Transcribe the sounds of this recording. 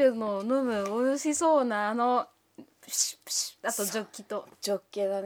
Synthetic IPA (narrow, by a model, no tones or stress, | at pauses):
ɯmonomɯ̟ojoɕiso̞ːnaːno̞ | at̪o̞d͡ʑo̞kʲːit̪o̞d͡ʑokʲːenan